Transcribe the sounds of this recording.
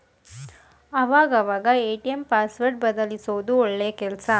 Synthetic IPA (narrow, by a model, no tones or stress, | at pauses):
ɐʋaːɡɐʋaːɡɐeːʈijɐmpaːsʋɐɾʈ̚bɐd̪ɐlisoːd̪uɔɭːeːkɛlɐsɐ